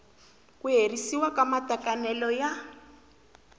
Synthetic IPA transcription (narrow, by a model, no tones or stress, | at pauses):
kuɦerisiwakamatakanɛlɔja